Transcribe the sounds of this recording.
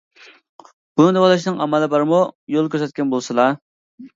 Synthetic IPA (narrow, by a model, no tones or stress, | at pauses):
b̥unɨŋneʁɑlˠɨʃ̬nɨŋʔɑmɑlˠɨbɑɾmujolˠkʲʰøɾsɛt̪̚ʲkʲʰɛnbolˠsɨlˠɑ